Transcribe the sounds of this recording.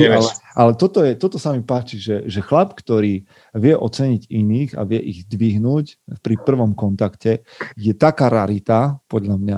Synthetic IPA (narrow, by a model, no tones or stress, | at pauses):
ɛalɛʔalɛt̪ɔt̪ɔjɛt̪ɔt̪ɔsamipaːt͡ʃiʒɛʒɛxlapkt̪ɔɾiː | ʋɪɛʔɔt͡sɛɲiɟiniːɣa̰ʋɪɛʔiɣzd̪ʋiɦnuːcfpɾipr̩ʋɔmkɔnt̪akcɛ | jɛt̪akaːɾaɾit̪apɔd̪ʎamɲa